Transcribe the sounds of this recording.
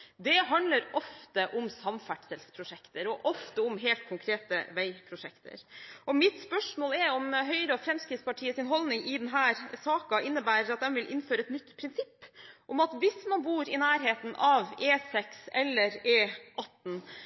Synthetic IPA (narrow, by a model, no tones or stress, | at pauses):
d̪ɛɦɑnd̪ləɾʔɔft̪əʔʊmsɑmfæʈsəlspʰɾʊʂɛkt̪əɾɔʔɔft̪əʊmɦeːlt̪̚kʰʊŋkʰɾeːt̪ə̰ʋæɪpʰɾʊʂɛkt̪ʰə̰ɾɔmɪt̪spœʂmoːlɛɾɔmɦœʏɾəɔfɾɛmskɾɪːt̪spɑʈʰiːəsɪnɦɔlnɪŋɪd̪ɛnɦæːɾsɑːkɑʔɪnːəbæːɾɑt̪̚d̪ɛnʋɪlʔɪnføːɾəɛt̪nʏt̪ːpʰɾɪnsɪpːʔɔmɑt̪ʋɪsmɑnbuːɾɪnæːɾɦeːt̪n̩ɑʋeːsɛksɛlːəɾeːʔɑt̪ːn̩